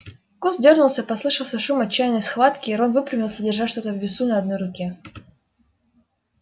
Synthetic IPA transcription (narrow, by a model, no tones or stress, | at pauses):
kusdʲornʊlˠsʲəpɐslˠɨʂəlˠsʲəʂumɐt͡ɕːæjnəjsxvat̪kʲɪɪɾonvɨpɾʲɪvʲɪlˠsʲədʲɪrʐatʲʂt̪o̞t̪əvvʲɪsunɐɐd̪no̞jɾʊkʲe